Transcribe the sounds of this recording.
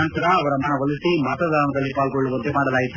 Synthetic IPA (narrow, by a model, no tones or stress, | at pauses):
ɐnt̪ɐɾɐːʋɐɾɐmaːnɐʋɐlisimɐt̪ɐd̪ʱaːnɐd̪ɐlːipaːlɡoɭːuʋɐd̪ːemaːɽɐlaːjit̪ːu